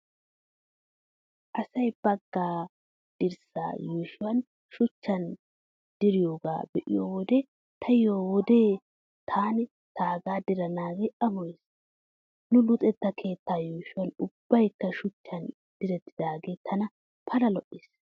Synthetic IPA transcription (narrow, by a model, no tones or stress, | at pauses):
ʔɐsɐjb̥ɐɡːaː | d̪̥ɪɾsa̰ːjuːʃʊwɐn | ʃʊt͡ʃːɐn | d̪̥ɪɾɪjoːɡa̰ːbɛʔɪ̰joːwɔd̪ɛ | t̪ʰɐjoːwɔd̪e̞ː | t̪ʰaːnɪ | t̪ʰaːɡaːd̪ɪɾɐnaːɡeʔɐmɔjs | nʊlʊt̪ʼɛt̪ːɐkʰe̞ːt̪ːaːjuːʃʊwɐnʊb̥ːɐjkːɐʃʊt͡ʃːɐn | d̪̥ɪɾɛt̪ːɪd̪aːɡe̞ːt̪ʰɐnɐ | pʰɐlɐlɔʔːɪs